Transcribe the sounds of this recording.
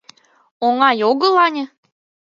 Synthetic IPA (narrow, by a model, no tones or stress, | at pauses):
oŋɑjoɣɤ̆lɑnʲɤ̆